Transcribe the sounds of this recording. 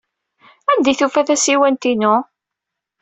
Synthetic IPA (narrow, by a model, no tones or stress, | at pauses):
ænd̪iθufæθæsiwænt̪inʊ